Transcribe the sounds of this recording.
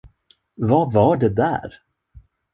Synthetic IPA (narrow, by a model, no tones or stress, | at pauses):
vavaɖɛd̪æ̰ːɾ